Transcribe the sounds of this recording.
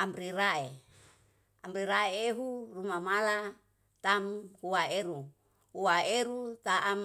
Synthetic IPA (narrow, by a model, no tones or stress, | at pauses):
ambɾiɾae | amɾiɾaeeɦurumamala | t̪amhuaeɾu | huaeɾut̪aʔam